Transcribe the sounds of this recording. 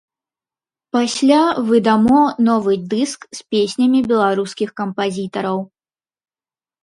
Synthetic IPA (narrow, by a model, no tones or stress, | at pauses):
pasʲlʲavɨd̪amɔnɔvɨd̪ɨskspʲesʲnʲɐmʲibʲɛlˠaɾuskʲixkɐmpazʲit̪ɐɾɐw